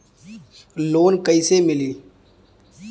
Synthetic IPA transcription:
loːnkəɪsemɪliː

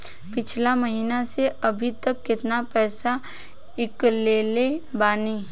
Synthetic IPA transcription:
pɪt͡ʃʰlaməɦiːnaseɐbʱit̪ɐkːɪt̪napɛːsa | ɪkleːlebaːniː

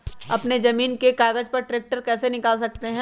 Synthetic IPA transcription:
ɐpnezɐmiːnkekaːɡəd͡ʒpɐɾʈɾeːk̚ʈəɾkɛːsenɪkaːls̬ɐk̚t̪eɦɛ̃

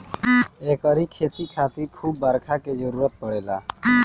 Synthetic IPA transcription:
ekəɾikʰet̪ikʰat̪iɾkʰubːəɾkʰaked͡ʒəɾuɾət̪̚pəɽela̰

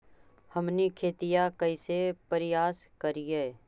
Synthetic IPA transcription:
hɐmnikʰeːt̪ijakɐisepəɾɪjaːs | kɐɾiɦɛː

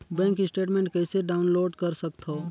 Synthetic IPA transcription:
bɛ̃ːŋkisʈeːʈmẽːɳʈkɛːseɖaːʊnloːɖkɐɾsɐkt̪ɦoː

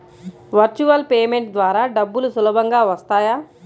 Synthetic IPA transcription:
ʋɐɾt͡ʃuʋɐlpeːme̞ɳʈd̪ʋaːɾaːɖɐbːulusulɐbʱɐŋɡaːʋɐst̪aːjaː

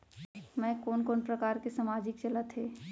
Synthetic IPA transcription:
mɛ̃ːkoːnkoːnpɾəkaːɾkesəmaːd͡ʒɪkt͡ʃɐlət̪ɦeː

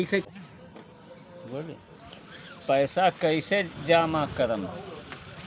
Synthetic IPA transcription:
ise | bolḭ | pɐjsakɐised͡ʒaːmãːkɐɾɐm

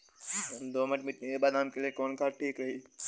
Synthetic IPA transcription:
ɦɐmd̪oːmɐʈmɪʈnekebaːd̪ɦamkeliekoːnkaːʈʰiːkɾɐɦiː

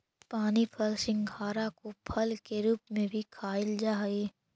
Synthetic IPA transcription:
paːnipʰɐlsɪ̃ŋɡʱaːɾakopʰɐlkeɾuːpmẽbʱikʰaːɪld͡ʒaːɦeː

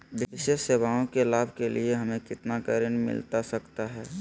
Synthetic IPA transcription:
ʋɪɪʃeːʃseːʋaõkelaːbʱkelieɦɐmẽkɪt̪nakəɾɪnmɪ̰lt̪asɐkt̪aɦɛː

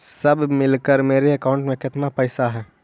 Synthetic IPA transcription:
səbʱmɪlkəɾmeːɾeəkaʊ̃ɳʈmẽkɪt̪napəːsaɦɛː

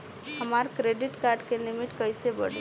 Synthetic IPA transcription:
ɦəmaɾkɾeɖɪʈkaɾɖkelimiʈkəjsebəɽe

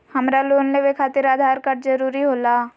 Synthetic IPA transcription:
hɐmɾaloːnleʋekʰaːt̪ɪɾaːd̪ʱaːɾkɐʈd͡ʒɐɾuːɾiɦoːlaː

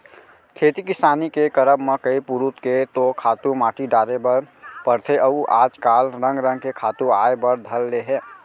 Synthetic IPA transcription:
kʰet̪ikɪsaːnikekəɾəbmekəipuɾut̪ket̪okʰaːt̪ũmaːʈiɖaːɾebəɾpəɾt̪ʰeʔəuʔaːd͡ʒkalɾə̃ŋɡɾə̃ŋɡkekʰaːt̪uaebəɾd̪ʱəlːeɦe

